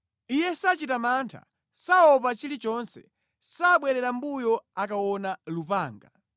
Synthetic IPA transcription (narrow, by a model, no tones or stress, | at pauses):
ijɛsat͡ʃitamantʰa̰ | saɔp̬at͡ʃilit͡ʃɔnsɛ̰ | saɓwɛɾɛɾambujɔakawɔnalupaːŋɡa